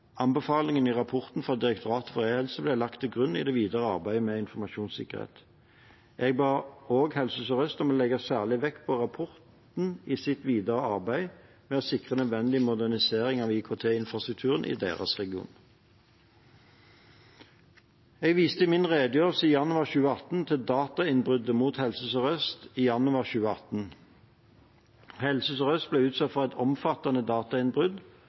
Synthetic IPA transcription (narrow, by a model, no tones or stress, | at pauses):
ɑmbəfɑːlɪŋəniʁɑpʰɔʁt̪n̩fʁɑd̪ɪʁɛk̚t̪ʰʊʁɑːt̪ɔfɔʁeɪhɛlsəblɛlɑkt̪ʰɪlɡʁʉnːḭd̪ɛːʋiːd̪əʁəɑ̰ʁbæɪmeːɪnfɔʁmɑʃuːnsɪ̰kəʁhḛːt̪ | ʔeɡ̚bɑːoːɡhɛlsəsɔʁœst̪ɔmɔlɛɡɑsæːʁlɪʋɛkːpʰɔʁɑpʰɔʁt̪ | n̩iːsɪt̪ʋiːd̪əʁəɑʁbæɪ | mɛosɪkʁənœd̪ʋɛnd̪ɪmʊd̪æʁnɪseːʁɪŋɑʋiːkʰot̪ʰeːɪnfʁɑst̪ʁʉk̚t̪ʰʉːʁənʔḭd̪ḛːʁə̰sʁɛɡɪṵːn | ɛːɡʋiːst̪əmɪnʁeːd̪əjøːʁəsəijɑnʉɑʁçʉːəɑt̪n̩t̪ʰɪld̪ɑːt̪ɑɪnbʁʏd̪əmuːt̪hɛlsəsɔʁœst̪iːjɑnʉɑʁçʉːəɑt̪n̩ | hɛlsəsəʁœst̪̚bleːʉːt̪sɑt̪fɔɛt̪ʰɔmfɑt̪ɑnəd̪ɑːt̪ɑɪnbʁʉd̪